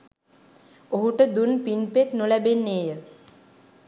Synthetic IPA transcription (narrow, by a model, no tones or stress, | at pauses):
oɦuʈəd̪unpinpet̪nulɛbenːejə